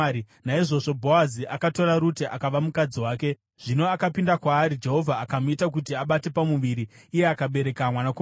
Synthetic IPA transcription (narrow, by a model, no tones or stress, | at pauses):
i | naiʐo̞ʐo̞bʱo̞aziʔakato̞ɾaɾuteʔa̰kaʋamukad͡ziwaːke̞ | ʐ̥ino̞akapindakwaːɾid͡ʒe̞ɦo̞vʱaːkamuitak̬ut̬iaɓate̞pamuʋiɾiːje̞akaɓe̞ɾe̞kamwanako